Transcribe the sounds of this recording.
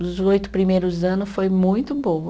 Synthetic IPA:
ʊzojt̪ʊ̥pɾimejɾʊzɐ̃nʊsfojmũj̃t̪ʊbõw̃ɐ

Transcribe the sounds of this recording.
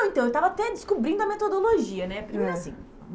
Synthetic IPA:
ẽnt̪ɐ̃ewt̪avɐat̪ɛd͡ʒɪskubɾĩnd̪ʊɐmet̪od̪oloʒiɐnɛpɾimeɾasḭ̃

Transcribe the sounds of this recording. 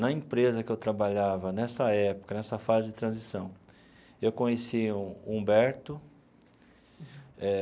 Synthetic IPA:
nɐĩpɾezɐkɪewt̪ɾabaʎavɐnɛsɐɛpʊ̥kɐnɛsɐfazɪd͡ʒɪt̪ɾɐ̃zisɐ̃w̃ | ewkõɲesiũũbɛɾt̪ʊ | ɛ

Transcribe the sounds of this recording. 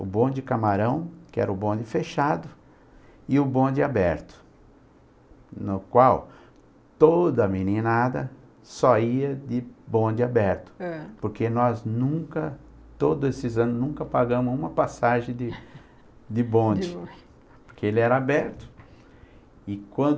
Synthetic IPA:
ʊ̰bõd͡ʒɪkamaɾɐ̃w̃kɪɛ̰ɾɐʊbõd͡ʒɪfeʃad̪ʊ | ɪʊbõd͡ʒ̪ɪabɛɾt̪ʊ̥ | nʊkwaw | t̪od̪ɐɐminĩnad̪ɐ | soiɐd̪ɪbõd͡ʒɪabɛɾt̪ʊ̥poɾkenɔznũkɐ | t̪od̪ʊesɪzɐ̃nʊznũŋkɐpaɡɐ̃mʊzũmɐpasaʒẽj̃d̪ɪ | d̪ɪbõd͡ʒd͡ʒɪ | poɾkʰeelɪɛɾɐabɛɾt̪ʊ̥ | ɪkwɐ̃nd̪

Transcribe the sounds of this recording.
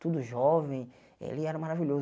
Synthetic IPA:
t̪ud̪ʊʒɔvẽj̃ | ḛlɪɛɾɐmaɾaviʎoz

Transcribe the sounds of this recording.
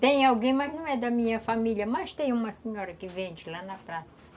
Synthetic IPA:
t̪ẽj̃awɡẽj̃mɐʒnɐ̃w̃ɛd̪ɐmĩɲɐfamiʎjɐmaʃt̪ẽj̃umɐsiɲɔɾɐkɪvẽnd͡ʒlanɐpɾasɐ

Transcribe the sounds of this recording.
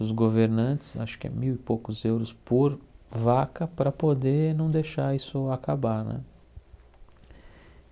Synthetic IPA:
ʊzɡoveɾnɐ̃t̪ɪ̥sa̰ʃʊ̥kɪɛ̰miwipokʊzewɾʊspoɾvakɐpɾɐpod̪enɐ̃w̃d̪eʃaɾisʊakabaɾnɛ̰̃

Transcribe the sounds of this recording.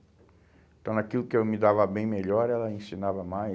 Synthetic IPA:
ẽt̪ɐ̃w̃nakilʊkɪewmɪd̪avɐbẽj̃meʎɔɾɛlɐẽsinavɐmaj

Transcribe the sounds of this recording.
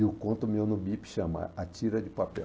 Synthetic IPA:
ʊkõnt̪ʊmewnʊbipʃɐ̃mɐ̰at͡ʃiɾɐd͡ʒɪpapɛ

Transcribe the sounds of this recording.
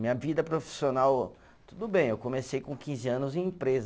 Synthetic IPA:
mĩɲɐvid̪ɐpɾofi̥sionaw | t̪ud̪ʊbẽj̃ewkõmesejkõkĩzɪɐ̃nʊzẽj̃ĩpɾezɐ

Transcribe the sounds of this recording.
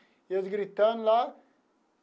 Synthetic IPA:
jɐzɡɾit̪ːanla

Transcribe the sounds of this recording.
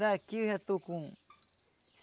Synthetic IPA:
akihat̪ukũ | s

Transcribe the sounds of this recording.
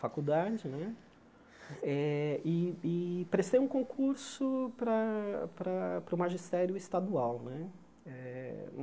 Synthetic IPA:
fakud̪ad͡ʒɪnɛ | ɛɪɪpɾest̪ejũkõkʰuɾsʊpɾɐpɾɐpɾʊmaʒist̪ɛɾjʊist̪ad̪uawnɛ | ɛ

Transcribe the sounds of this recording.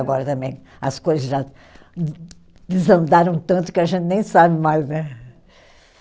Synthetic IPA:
ɐɡɔɾɐt̪ɐ̃mẽj̃ | ɐskojzɐzʒa | d̪ɨzɐ̃nd̪aɾɐ̃w̃t̪ɐ̃nt̪u̥kɪɐʒẽnt̪nẽj̃sabmajznɛ

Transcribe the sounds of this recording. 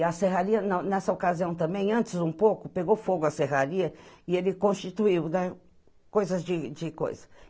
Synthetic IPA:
ɐseɦaɾiɐnɐnɛsɐokaziɐ̃w̃t̪ɐ̃mbẽj̃ɐ̃nt͡ʃɪzũpowkʊpeɡowfoɡʊɐseɦaɾiɐɪelɪkõʃt͡ʃit̪uiwd̪a | kojzɐzd͡ʒɪd͡ʒɪko̰jzɐ̥

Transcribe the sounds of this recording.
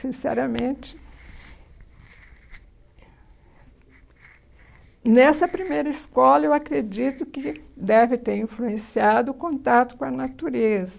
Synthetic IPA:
sĩsɛ̰ɾɐmẽt͡ʃɪ | nɛsɐpɾimejɾɐɪskɔlɐewakɾed͡ʒit̪ʊkɪd̪ɛvɪt̪eɾĩfluẽsiad̪ʊːkõnt̪at̪ʊ̥kõɐnat̪uɾezɐ

